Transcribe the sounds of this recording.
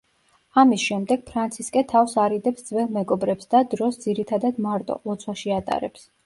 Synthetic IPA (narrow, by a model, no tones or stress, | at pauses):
amisʃɛmd̪ɛɡ̥̚pʰɾant̪sʰiskʼɛt̪ʰafsaɾid̪ɛpsd̪z̥vɛlˠmɛɡɔbɾɛpsd̪ad̪ɾɔsd̪ziɾit̪ʰad̪ad̪maɾt̪ʼɔ̰ɔt̪sʰwaʃiat̪ʼa̰ɾɛ̰ps